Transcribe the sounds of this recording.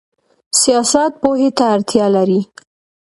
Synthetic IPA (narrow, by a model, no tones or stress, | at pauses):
sijɑsat̪̚poɦet̪aːɾt̪jɑlaɾi